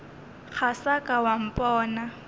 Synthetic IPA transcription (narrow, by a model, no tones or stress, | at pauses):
k͡xʰasakʼawam̩pʼɔːna